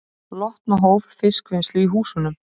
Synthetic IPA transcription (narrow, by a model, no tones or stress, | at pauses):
lɔht̪naɦoːwvfɪskvɪnst̪lʏiɦuːsʏnːʏm